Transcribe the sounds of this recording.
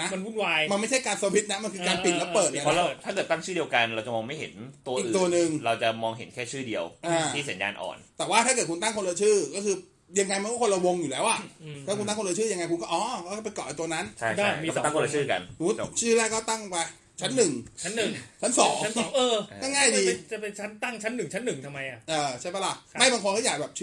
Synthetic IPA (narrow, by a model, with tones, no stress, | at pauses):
na˦˥m˧wuː˥˩nwaː˧jma˧nma˥˩jt͡ɕʰa˥˩jkaː˧nsoː˧wi˦˥t̪̚na˦˥ma˧nkʰɯ˧kaː˧npi˨˩˧lɛ˦˥pɤː˨˩t̪̚a˧pʰɔ˦˥ɾa˧wt̪ʰa˥˩kɤː˨˩t̪ːa˥˩ŋt͡ɕʰɯː˥˩di˧əwka˧nɾa˧wt͡ɕa˨˩mɔː˧ŋma˥˩jɦḛ˩˦nt̪u˧ɐiː˨˩˨t̪u˧ɐnɯ˨˩ŋɾa˧wt͡ɕa˨˩mɔː˧ŋɦḛ˨˩˦nkʰɛː˥˩t͡ɕʰɯː˥˩di˧əwʔaː˧˩iː˥˩sa˩˦nja̰ː˧nʔɔ̰ː˨˩nt̪ɛː˨˩waː˥˩a˥˩kɤː˨˩t̪̚ku˧nt̪a˥˩ŋkʰo˧lɤː˧t͡ɕʰɯː˥˩kɔː˥˩kʰɯː˧ | ja˧ŋːa˧jm˧nkɔː˥˩o˧la˧wo˧ŋjuː˨˩lɛː˦˥wʔa˨˩a˥˩ku˧t̪a˥˩ŋko˧lːt͡ɕʰɯː˥˩ja˧ŋːa˧jkʰu˧nkɔː˥˩ʔɔː˦˧˩kɔː˥˩kːpe˧jkɔ˨˩ʔa˨˧˩t̪u˧ɐna˦˥nt͡ɕʰa˦˥˩ja˥˩˥ta˥˩˨ko˧lt͡ɕʰɯː˥˩ka̰˧nnuː˨˦˥t͡ɕʰɯː˥˩lɛː˥˩kɔː˥˩t̪a˥˩ŋpa˧j | t͡ɕʰa˦˥nːɯ˨˩ŋt͡ɕʰa˦˥nːɯ˨˩ŋt͡ɕʰa˦˥nsɔː˩˦ŋ˦˥nː˨˦ŋʔɤː˧kɔː˥˩ŋaː˥˩jdiː˧t͡ɕa˨˩pe˧nt͡ɕʰa˦˥nt̪a˥˩ŋt͡ɕʰa˦˥nːɯ˨˩ŋt͡ɕʰa˦˥nːɯ˨˩ŋt̪ʰa˧mːa˧jʔa˨˩ʔʔɤː˧t͡ɕʰa˥˩jpʰɛ˦˥la˨˧˩ma˥˩jba˧ŋʰo˧kʰːjaː˨˩k̚bɛː˨˩p̚t͡ɕʰː